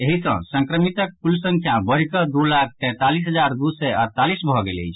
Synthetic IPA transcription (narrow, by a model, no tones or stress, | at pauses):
eɦisə̰̃sə̃ŋkɾəmit̪ək̚pulsə̃ŋkʰjãbəɾikəd̪ulak̚ʰt̪ɛ̃t̪alisɦəd͡ʒaɾd̪usɛəɾt̪alisbʱɔɡelḛjt͡ʃʰ